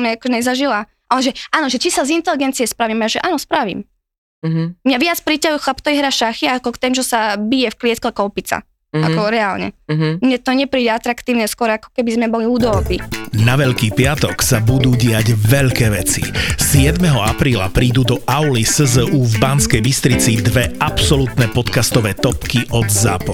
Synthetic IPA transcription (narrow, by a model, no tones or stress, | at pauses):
mɲaakɔʒɛɲɛzaʒila | ʔɔʒɛʔaːnɔʒɛt͡ʃisazint̪ɛliɡɛnt͡siɛspɾaʋiːmaʒɛʔaːnɔspɾaʋḭm | ɦmɲaʋɪat͡spɾicajuxlapt̪ɔʋiɦɾaʃaxiakɔkt̪ɛmʒɛsabijɛfklɪɛt̪kɔakɔwpit͡sa̰ | a̰kɔɾɛaːlɲɛ̰ɦmɲɛt̪ɔɲɛpɾiːɟɛat̪ɾakt̪iːʊɲɛskʊɔɾakɔ̥kɛbizmɛbɔliuːd̪ɔːpinaʋɛʎkiːpɪat̪ɔksabud̪uːɟɪaɟʋɛʎkɛːʋɛt͡sḭsɪɛd̪mɛɦɔapɾiːla̰pɾiːd̪ud̪ɔʔaʊlisəzəʔuːvbanskɛjbist̪ɾit͡sid̪ʋɛʔapsɔlut̪nɛpɔt̪kast̪ɔʋɛːt̪ɔpkiʔɔd̪za̰ːpɔ̰